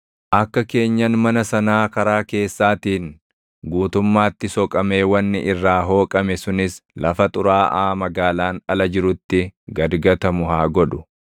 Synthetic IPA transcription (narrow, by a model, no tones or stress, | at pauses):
ʔɐkːɐke̞ːɲːɐnmɐnɐsɐnaːkɐɾaːke̞ːsːaːt̪iːŋ | ɡuːt̪ʊmːaːt̪ːɪsɔkʼɐme̞ːwɐnːɪʔɪrːaːɦo̞ːkʼɐmɛsʊnɪslɐfɐt̪ʼʊɾaːʔaːmɐɡaːlaːnɐlɐd͡ʒɪɾʊt̪ːɪɡɐd̪ɡɐt̪ɐmʊɦaːɡɔᶑʊ̥